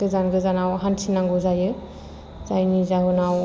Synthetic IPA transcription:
ɯzanɡɯzanawɦansʰinaŋɡɔzajɯ | zajnizaɦunaw

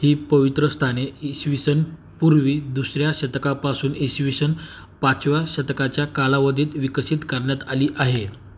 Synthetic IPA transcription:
hiːpəʋit̪ɾəst̪ʰaneiɕʋisən | puɾʋiːd̪usɾjaɕət̪kapasuːnisʋiɕən | pat͡sʋaɕət̪kat͡ɕjakalaʋəd̪ʱiːt̪ʋikəɕit̪kaɾɳjat̪aliːʔaɦe

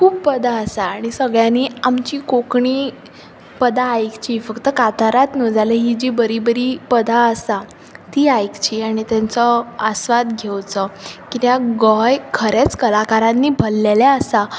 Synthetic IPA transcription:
kʰuːb̚pəd̪ʱaəsaːɽ̃isəɡɭjãniːamt͡ɕiːkokɳiː | pəd̪ʱaːjkt͡ɕiːfəkt̪əkat̪aɾat̪nəd͡zaleɦid͡ʑiːbəɾiːbəɾiːpəd̪ʱaəsa | t̪iːajkt͡ɕiːaɽ̃it̪jãnt͡sɔəsʋad̪ɡʱewt͡səkit̪jaɡɔjkʰəɾet͡skəlakaɾãnːiːbʱəlːelɛəsa

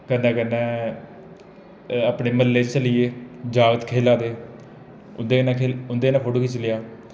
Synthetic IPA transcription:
kənːɛ̃ːkənːɛ̃ː | aːpneːməlːeːt͡ʃt͡ʃəliːeːd͡ʒaːɡət̪kʰeːlaːd̪eː | ʊ̰nd̪eːnãːkʰeːʊnd̪eːnãːkʰoɽokiːt͡ʃəljaː

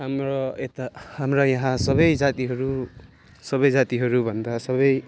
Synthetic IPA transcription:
ɦamɾoet̪ahamrʌjʌɦãsʌbʌjd͡zat̪iɦʌɾu | sʌβʌjd͡zat̪iɦʌɾubʱʌnd̪asʌβʌj

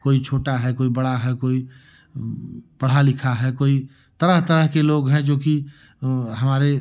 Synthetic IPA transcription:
koːit͡ʃʰoːʈaɦɛkoːibəɽaɦɛkoːi | pəɽ̤alɪkʰaɦɛkoːi | t̪əɾəɦt̪əɾəɦkeloːɡɦɛ̃d͡ʒoːki | ɦɐmaːɾe

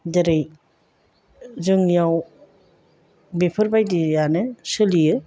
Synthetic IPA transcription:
dɐɾɯj | zɯŋijaw | bepʰɯɾbajdijanɯsɯlijɯ

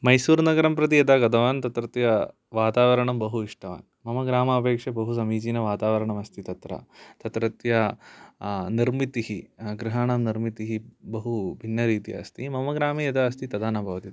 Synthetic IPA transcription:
mɐjsuːɾnɐɡɐɾɐmpɾɐt̪̬iɐd̪aːɡɐd̪ɐʋaːnt̪ɐt̪ɾɐt̪jɐ | ʋaːt̪aːʋɐɾɐɳɐmbɐɦuiʂʈɐʋa̰ːn | mɐmɐɡɾaːmɐːpeːkʂɐbɐɦusɐmiːt͡ʃiːnɐʋaːt̪aːʋɐɾɐɳɐmɐst̪ʰit̪ɐt̪ɾɐ̰t̪ɐt̪ɾɐt̪jɐ | niɾmit̪iɦiɡɾiɦaːɳaːmniɾmit̪iɦibɐɦubʱinːɐɾiːt̪jɐ̰ɐ̰st̪imɐmɐɡɾaːmijɐd̪ɐɐst̪it̪ɐd̪aːnɐbʱɐʋɐt̪it̪

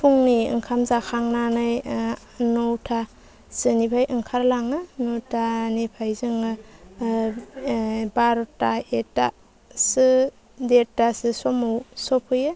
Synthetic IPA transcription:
pʰuŋniɯ̰ŋkʰamzakʰaŋnanɯj | nowtʰa | sɯnibʰajʔɯŋkʰaɾlaŋɯnotʰanepʰajzɯŋɯ | baɾɔtaeta | sɯ | detasɯsɔmowsɔpʰɯjɯ

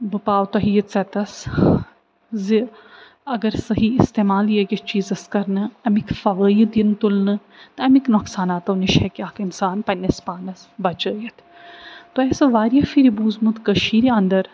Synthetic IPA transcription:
bɨpaːwt̪ɐɦijɐt̪sɐt̪ɐs | zi | ɐɡɐɾsɐɦiɪst̪eːmaːlijeɡɐt͡ʃiːzɐskɐɾnɨɐmikʰfɐʋəːjd̪int̪ulnɨ | t̪ɐɐmiknɔksaːnaːt̪ɐniʃhɛkiaːkinsaːnpɐnɐspaːnɐsbɐt͡ʃəːjɐt̪ʰ | t̪oɛːsɐʋaːɾijɐfiɾibuːzmut̪kəʃiːɾiɐnd̪ɐɾ

